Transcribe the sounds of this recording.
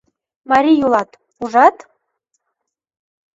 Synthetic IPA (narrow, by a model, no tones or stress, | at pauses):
mɑɾʲijulˠɑt̪ | uʒɑt̪